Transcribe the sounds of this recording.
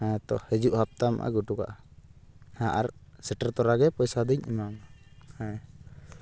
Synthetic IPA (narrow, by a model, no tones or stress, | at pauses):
hãt̪ɔhɛd͡ʒuʔhap̚t̪ama̰ʔa̰ɡuʈuka̰ʔa | haʔaɾsɛʈaɾt̪ɔɾaɡɛpɔjsad̪iɲḭmamhãj